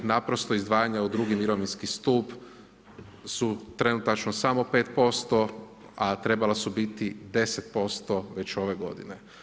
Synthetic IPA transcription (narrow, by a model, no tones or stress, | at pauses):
napɾo̞st̪o̞izd̪ʋaːjaɲaud̪ɾuɡimiɾoʋinskist̪uːp | sut̪ɾe̞nut̪at͡ʃnosamo̞pe̞ːt̪po̞st̪o̞ | at̪ɾe̞balasubit̪id̪e̞set̪̚po̞st̪o̞ʋe̞t͡ɕo̞ʋe̞ɡo̞̰d̪ḭne